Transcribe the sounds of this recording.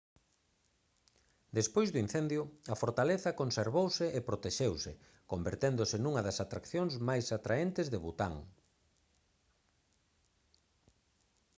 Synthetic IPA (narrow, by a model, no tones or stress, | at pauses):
d̪espojzðuin̟θend̪jʊɐfoɾt̪aleθɐkonseɾβowsɪʔepɾot̪eʃewsɪ | kombeɾt̪end̪ʊsɪnuŋɐðɐsat̪ɾakθjõŋzmajsat̪ɾaent̪ɪzðeβut̪a̰ŋ